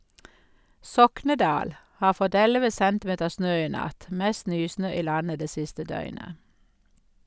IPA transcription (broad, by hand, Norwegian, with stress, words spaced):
ˈsɔknəˌdɑːl ˈhɑːʁ ˈfɔt ˈɛləʋə ˈsɛntˌmeːtəʁ ˈsnøː ˈiː ˈnɑt ˈmɛst ˈnyːˌsnøː ˈiː ˈlɑnə ˈdeː ˈsɪstə ˈdœʏnə